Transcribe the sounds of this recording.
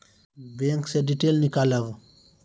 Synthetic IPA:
beŋkseɖiʈelnikalɐʋ

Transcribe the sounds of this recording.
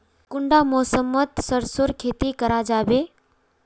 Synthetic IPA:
kʊɳɖamosəmːət̪səɾsoɾkʰet̪ikəɾad͡ʒaːbe

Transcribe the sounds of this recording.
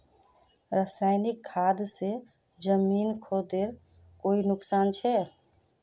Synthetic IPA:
ɾəsaɪnikʰːad̪se | d͡ʒəminkʰod̪eɾ | koinʊksant͡ʃʰɛ

